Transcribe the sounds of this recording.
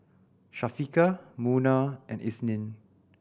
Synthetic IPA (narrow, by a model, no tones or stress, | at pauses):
ʃafikamunaʔɛ̃nḭsnĩn